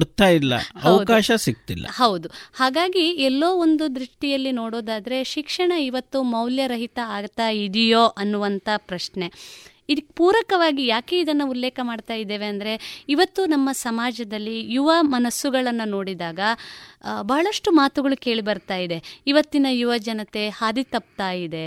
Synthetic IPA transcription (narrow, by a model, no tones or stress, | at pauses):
ɽt̪aːjilːɐ̰ɐʋɐwkaːʃɐsik̚t̪ilːɐ̰hɐwd̪uhaːɡaːɡiɛlːo̞ːond̪ud̪ɾiʂʈijɐlːino̞ːɽo̞ːd̪aːd̪ɐɾe̞ʃikʂɐɳɐiʋɐt̪ːumɐwljɐɾɐɦit̪ɐaːɡt̪aːjid̪ijo̞ːʔɐnːuʋɐnt̪ɐpɾɐʂɳe̞ | id̪ipuːɾɐkɐʋaːɡijaːkeid̪ɐnːɐulːɛːkɐmaːɖt̪aːjid̪eːʋeɐnd̪ɐɾe̞iʋɐt̪ːunɐmːɐsɐmaːd͡ʒɐd̪ɐlːijuʋɐmɐnɐsːuɡɐɭɐnːuno̞ːɽid̪aːɡɐ | bɐɦɐɭɐʂʈumaːt̪uɡɐɭuke̞ːɭibɐɾt̪aːjid̪e̞iʋɐt̪ːinɐjuʋɐd͡ʒɐnɐt̪e̞haːd̪it̪ɐp̚t̪aːjid̪e̞